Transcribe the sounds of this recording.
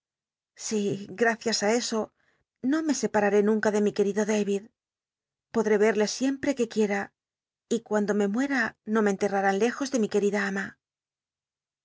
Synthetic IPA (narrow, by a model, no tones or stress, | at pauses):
siɡɾaθjasae̞so̞ | no̞me̞se̞paɾaɾe̞nũŋkaðe̞mike̞ɾiðo̞ðejβið | po̞ðɾe̞βe̞ɾle̞sje̞mpɾe̞ke̞kje̞ɾa | ikwand̪o̞me̞mwe̞ɾano̞me̞nt̪e̞raɾanle̞xo̞zðe̞mike̞ɾiðaama